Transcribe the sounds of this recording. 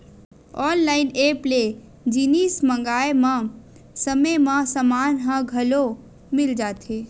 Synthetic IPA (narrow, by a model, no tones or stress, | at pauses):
ɔːnlaːɪneːple | d͡ʒiniːsmə̃ŋɡaːemã | səmemãsəmaːnɦãɡʱəlo | mɪld͡ʒaːt̪ʰeː